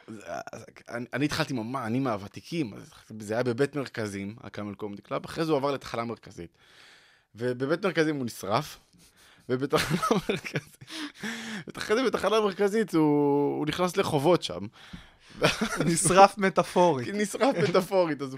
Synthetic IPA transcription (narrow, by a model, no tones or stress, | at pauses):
zaa̰nianit̪χalt̪imamanimaaːvat̪ikʰima̰zzeajabe̞bet̪me̞ʁkazima̰lkamelkomd̪iklavaχʁezeuavaʁle̞t̪ḁχalameʁkazḭt̪ | vebebet̪me̞ʁkazimunisʁaf | vebet̪aχalameʁkazimvet̪aχezebet̪aχalameʁkazit̪uːniχnasleχo̞vo̞tʃa̰m | veanisʁafmet̪afoʁinisʁafmmet̪afo̞ʁit̪az